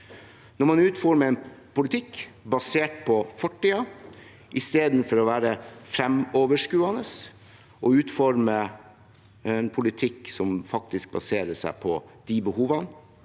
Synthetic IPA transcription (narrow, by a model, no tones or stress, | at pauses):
nɔɾmɑnʉːt̪fɔɾməɛnpʊlɪt̪ʰɪkːbɑseːʈ̚pʰɔfɔʈːiːɑ | ʔɪst̪eːd̪n̩fɔɾɔʋæːɾəfɾɛmoːʋəʂkʉːɑnəs | ʔɔʉːt̪fɔɾmə | ɛnpʰʊlɪt̪ʰɪkːsɔmfɑk̚t̪ɪsk̚bɑ̰seːɾəsæ̰ɪpʰɔd̪̥ibəhuːʋɑn